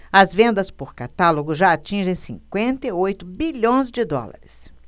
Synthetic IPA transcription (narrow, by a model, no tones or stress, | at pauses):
ɐzvẽnd̪ɐspoɾkat̪aloɡʊʒaat͡ʃĩʒẽj̃sḭ̃ŋkwẽnt̪eiojt̪ʊbiʎõj̃zd͡ʒɪd̪ɔ̰la̰ɾɪs